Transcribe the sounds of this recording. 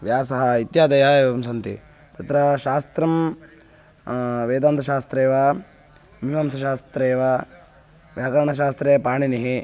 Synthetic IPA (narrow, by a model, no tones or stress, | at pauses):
ʋjaːsɐɦɐit̪jaːd̪ɐjaeːʋɐmsɐnt̪ḭ | t̪ɐt̪ɾɐʃaːst̪ɾɐm | ʋeːd̪aːnt̪ʰɐʃaːst̪ɾeːʋa | miʋɐmsɐʃaːst̪ɾeːʋa | ʋjaːkɐɾɐɳɐʃ̬aːst̪ɾeːpaːɳiniɦi